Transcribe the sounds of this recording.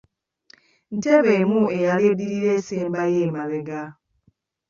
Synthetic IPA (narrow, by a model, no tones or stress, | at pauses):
n̩teβemuejalediɾiɾeːseːmbajeːmaɾeɡa